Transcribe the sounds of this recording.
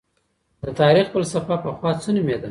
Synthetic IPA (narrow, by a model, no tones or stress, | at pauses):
d̪ət̪ɑɾixpəlsafɑpəxwɑt͡sənumed̪a